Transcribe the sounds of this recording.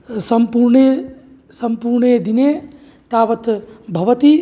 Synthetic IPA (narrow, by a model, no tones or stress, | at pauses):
sɐmpuɾɳe | sɐmpuɾɳeːd̪ineː | t̪aːʋɐt̪bʱɐʋɐt̪i